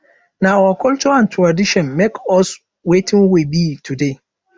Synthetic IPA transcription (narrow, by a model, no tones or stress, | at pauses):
nãawakʰʊlt͡ʃuãntʰɹadiʃɔ̃nmekʰɔs | wetʰɪ̃ŋwebitʰude